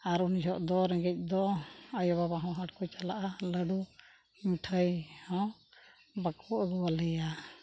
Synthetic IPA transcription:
aɾuniɦɔʔd̪ɔɾɛɡɛc̚ˀd̪ɔəjɔβabaɦɔ̃ɦaʈ̚kujt͡ʃalaʔaləɖu | miʈʰəjhɔ̃ | bakʰɔʔɡuwalɛja

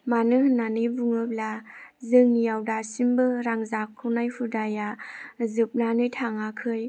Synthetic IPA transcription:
manɯhnanɯjbuŋɯp̚lazɯŋnijawdasimbɯɾaŋzakʰːɯwnajhʰudajazɯp̚lanɯjtʰaŋakʰɯj

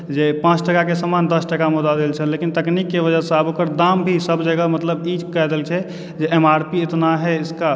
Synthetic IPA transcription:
d͡ʒepãt͡ʃʰʈəkakesəmand̪əsʈəkamud̪ad̪elt͡ʃʰɛlekint̪əknikːeʋəd͡ʒəsabokəɾd̪ambʱisəbd͡ʒəɡəmət̪ləbid͡ʒkɛɦd̪elt͡ʃʰɛ | d͡ʒeemaɾpiet̪naɦɛɪska

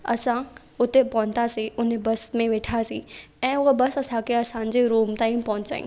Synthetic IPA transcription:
ɐ̰sã | ʊt̪epɐɦʊ̃nt̪asiʊn̤ebɐst̪mẽʋeːʈʰasi | ɛ̃ːʊɦebɐsɐsãkʰeɐsãːɲ̆d͡ʑeɾuːmt̪ãːĩpɐɦʊ̃ɲt͡ɕa̰ːḭ̃

